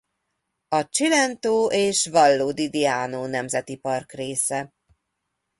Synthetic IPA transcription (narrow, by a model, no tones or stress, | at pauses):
ɒt͡ʃilɛnt̪oːʔeːʃvɒlːoːd̪id̪iaːnoːnɛmzɛt̪ipɒrkreːsɛ